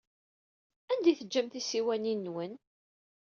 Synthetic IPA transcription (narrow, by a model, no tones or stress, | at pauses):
ænd̪iθəd͡ʒːæmt̪isiwæninːwən